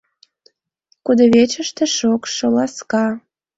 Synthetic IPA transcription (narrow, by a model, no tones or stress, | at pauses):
kud̪oβet͡ɕəʃt̪ĕʃokʃolɑskɑ